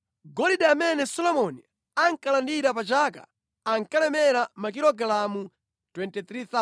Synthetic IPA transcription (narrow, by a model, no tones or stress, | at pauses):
ɡɔliɗɛamɛnɛsɔlɔmɔni | aŋkalandiɾapat͡ʃaːka̰ː | ŋkalɛmɛɾamak̬iɾɔɡalamu | twɛntɛt̪ɾiθa